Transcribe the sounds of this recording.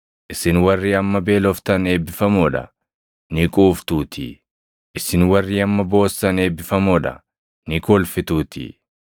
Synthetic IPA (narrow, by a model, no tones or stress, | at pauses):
ʔɪsɪnwɐrːiːɐmːɐbeːlɔft̪ɐne̞ːbːɪfɐmoːᶑɐ̰ | nɪkʼuːft̪uːt̪ʰḭ | ʔɪsɪnwɐrːiːɐmːɐbo̞ːsːɐne̞ːbːɪfɐmoːᶑɐ̰ | nɪkɔːlfɪt̪uːt̪ḭː